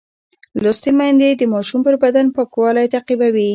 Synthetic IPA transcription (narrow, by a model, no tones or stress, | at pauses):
lost̪emand̪ed̪əmɑʃumpəɾbad̪anpəkwɑlajt̪aqibawi